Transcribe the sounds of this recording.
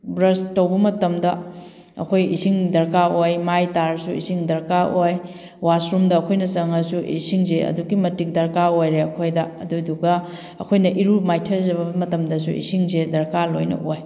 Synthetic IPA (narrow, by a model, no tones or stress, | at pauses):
bɾɐstɐwbɐmɐtɐmdɐ | ɐ̰kʰojisiŋdɐɾkaojmajtaɾsuḭsiŋdɐɾkaʔoj | wasɾumdɐːkʰojnɐsɐŋɐsuʔḭsiŋzeɐ̰duɡimɐtik̚dɐɾkaojɾeɐkʰojdɐɐduduɡɐ | ɐ̰kʰojnɐʔiɾumajtʰɐɾzɐβɐmɐtɐmdɐsuḭsiŋzedɐɾkalojnɐ̰ʔoj